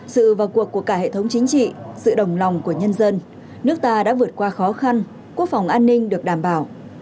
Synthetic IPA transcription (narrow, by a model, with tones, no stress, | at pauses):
sɨ̰˧˨vaː˨˩wku˨˩əkːu˧˩əkaː˧˩hḛ˧˨t̪ʰə˨˦wŋ͡mt͡ɕï˨˦ŋ̟t͡ɕḭ˧˨sɨ̰˧˨ɗə˨˩wŋ͡mla˨˩wŋ͡mku˧˩əɲə˧nzə˧n | nɨ˦˥ək̚t̪aː˧ɗa̰ː˧˥vɨ˨˩ət̚kwaː˧xɔ˨˦xa˧n | ku˦˥ək̚fa˨˩wŋ͡mʔaː˧nːï˧ŋ̟ɗɨ˨˩ək̚ɗaː˧˩mɓaː˧˩w